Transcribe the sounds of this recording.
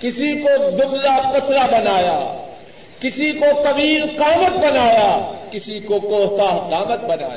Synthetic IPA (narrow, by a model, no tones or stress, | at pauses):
kɪsikod̪ʊblapɐt̪ʰlabɐnaːjaː | kɪsikot̪ɐʋiːlqaːmət̪̚bɐnaːjaːkɪsikokoːɦt̪aːɦqaːmət̪̚bɐna̰ːja